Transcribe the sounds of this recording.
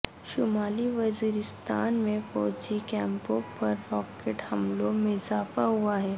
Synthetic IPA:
ʃʊmaːliʋɐziːɾɪst̪a̰ːnmẽfɔːd͡ʒikɛ̃ːmpõpɐɾːɔːkeːʈhɐmlomɪzaːfaɦuaɦɛː

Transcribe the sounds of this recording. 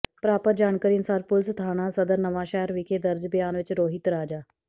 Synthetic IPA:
pɾaːpət̪̚d͡ʒaːɳkəɾiːnsaːɾpʊlst̪ʰaːɽ̃aːsəd̪əɾnəʋaːʃɛːɾʋɪkʰeːd̪əɾd͡ʒbjaːnʋɪt͡ʃɾoːɦɪt̪ɾaːd͡ʒaː

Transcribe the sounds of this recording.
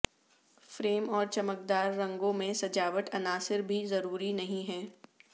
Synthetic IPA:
fɾeːmɔːɾt͡ʃɐmək̚d̪aːɾːɐ̃ŋɡõmẽsɐd͡ʒaːʋəʈ̪ʰɐnaːsɪɾbʱizɐɾuːɾinɐɦĩɦɛː

